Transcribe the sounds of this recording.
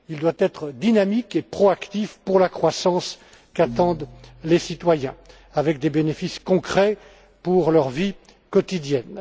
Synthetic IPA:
ild̪wat̪ɛt̪χəd̪inamikepχɔakt̪ifpuʁlakχwasɑ̃s | kat̪ɑ̃d̪lesit̪wajɛ̰̃ | avɛk̚d̪ebenefiskɔ̃kχɛ | puʁlœʁvi | kɔt̪id̪jɛn

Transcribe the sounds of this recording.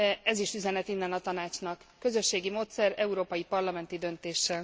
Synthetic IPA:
ɛziʃyzɛnɛt̪inːɛnɒt̪ɒnaːt͡ʃnɒkːø̞zø̞ʃːeːɡimoːt̪sɛɾɛuɾoːpɒjipɒrlɒmɛn̪t̪id̪ø̞nt̪eːʃːɛl

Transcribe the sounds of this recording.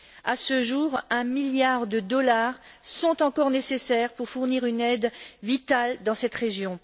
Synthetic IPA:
asəʒuʁɛ̃miljaʁd̪əd̪ɔlaʁsɔ̃t̪ɑ̃kɔʁnesesɛʁpuʁfuʁniʁynɛd̪vit̪ald̪ɑ̃sɛt̪ʁeʒjɔ̃

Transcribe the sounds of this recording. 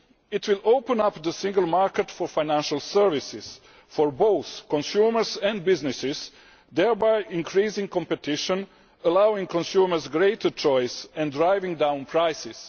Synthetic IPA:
ɪt̪ʰwɪloʊpə̃napd̪əsɪ̃ŋɡəlˠmaɹkɛtfɔɹfajnæ̃nʃalˠsəɹvɪsɪz̥ | fɔɹboʊθkɔ̃nsjuːməɹsɛ̃ndbɪznɪsɪz̥ | d̪ɛɹbajɪ̃nkʰɾiːzɪ̃ŋkɔ̃mpɛt̪ɪʃɔ̃n | əlawɪ̃ŋkɔ̃nsjuːməɹzɡɾeɪtʰət͡ʃɔjsɛ̃ndɾajvɪ̃ŋdãw̃npʰɾajsɪs

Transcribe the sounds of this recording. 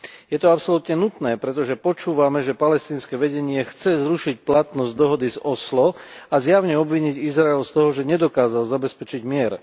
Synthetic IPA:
jɛt̪ɔapsɔlut̪ɲɛnut̪nɛːpɾɛt̪ɔʒɛpɔt͡ʃuːʋamɛʒɛpalɛst̪iːnskɛʋɛɟɛɲɪɛxt͡sɛzɾuʃic̚plat̪nɔzd̪ɔɦɔd̪izɔslɔazjaʊɲɛɔbʋiɲiɟizɾaɛlst̪ɔɦɔʒɛɲɛd̪ɔkaːzalzabɛspɛt͡ʃiɟmɪɛɾ

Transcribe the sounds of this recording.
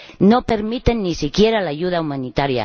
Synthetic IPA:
no̞pe̞ɾmit̪e̞nːisikje̞ɾalaʝuð̞aumanit̪aɾja̰

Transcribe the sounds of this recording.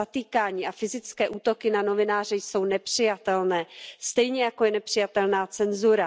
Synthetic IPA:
at̪iːkaːɲiːʔafɪzɪt͡skɛːʔuːt̪o̞kɪnano̞vɪnaːrɛjso̞wnɛpr̥ɪjat̪ɛlnɛːst̪ɛjɲɛjakojɛnɛpr̝̥ɪjat̪ɛlnaːt͡sɛnzuɾa

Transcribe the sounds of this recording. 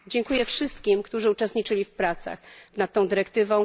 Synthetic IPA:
d͡ʑɛŋkujɛfʂɘst̪kʲimkt̪uʐɘut͡ʂɛst̪ɲit͡ʂɘlʲifpɾat̪sa̰xnat̪ːɔ̃w̃d̪ɘɾɛkt̪ɘvɔ̃w̃

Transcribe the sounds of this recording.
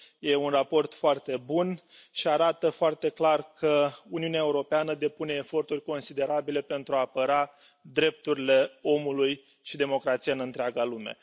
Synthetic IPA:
je̞unrapo̞rt̪foart̪e̞bunʃiaɾat̪əfoart̪e̞klarkʰəuniunaeuɾo̞peanəd̪e̞pune̞ːfo̞rt̪urʲko̞nsid̪e̞ɾabile̞pe̞nt̪ɾuaːpəɾa | d̪ɾe̞p̚t̪uɾile̞o̞muluj | ʃid̪e̞mo̞kɾat̪sijaɨnɨnt̪ɾʲeaɡalume̞̰

